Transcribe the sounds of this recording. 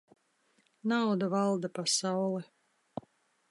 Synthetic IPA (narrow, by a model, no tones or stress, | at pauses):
nawd̪avalˠd̪apasawlˠɛ